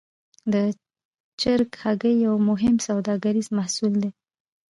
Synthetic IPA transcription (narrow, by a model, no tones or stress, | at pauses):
d̪ə | t͡ʃɪɾkhaɡəjːawmʊɦɪmsawd̪ɑɡaɾizmahsuld̪e